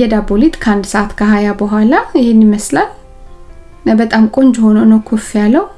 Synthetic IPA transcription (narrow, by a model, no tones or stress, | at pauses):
ɛd̪abolit̪ʼkʰəand̪səʔat̪kʰəɦajabəɦʷalaɪhenːɪməslal | bət̪ʼamkʼo̞ɲd͡ʒho̞nonəwkʰufjalːəwu